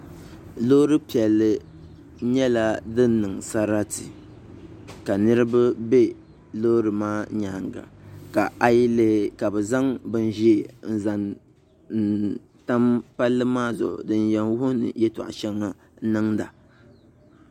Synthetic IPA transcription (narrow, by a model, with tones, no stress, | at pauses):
lo˦ɾɨ˦pi˨ɛ˨lːɨ˨ | ɲɛ˦la˦dɨ˦n˦nɨ˨ŋsa˦ɾa˦ti˨ | ka˨nɨ˦ɾɨ˦ba˦bɛ˦ | lo˦ɾɨ˨maː˦ɲaː˦˨ŋɡa̰˨ka˨a˦ji˦le˦hka˨bɨ˨za˦ŋbɨ˦n˦ʒe˨n̩˨za˨n | n̩˨ | ta˦mpa˦lːɨ˦maː˦zʊ̰˨dɨ˦njɛ˨nwʊ˦hʊ˦nɨ̰˨jɛ˦ta̰˨ʔa̰˨ʃɛ˦ŋːa˦ | nɨ˦ŋda˨